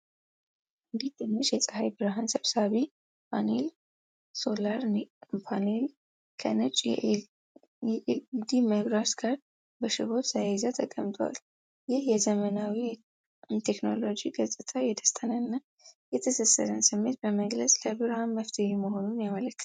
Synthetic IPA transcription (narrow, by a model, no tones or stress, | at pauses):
ʔɨnd̪iht̪ʰʼɨmːət͡ʃʼjɛsʼəhajbɨɾɦansəβsaβi | panel | so̞laɾpʰanel | kʰə̰nɨt͡ʃʼ | d̪iməɡɾasɡaɾ | bəʃɪho̞t̪sajɛzət̪ʰʼəkʼːəmt̪ʰowa̰l | jɪhjɛzəmənawi | t̪ʰeknolo̞d͡ʒiɡəsʼɨt̪ʰajɛd̪əst̪ʼənənːa | jɛt̪ʰəsəsːəɾənsɨmːe̞t̪̚bəməɡləsʼləbɨɾhanməft̪ʰəheməɦo̞nunjamələkːɨ̥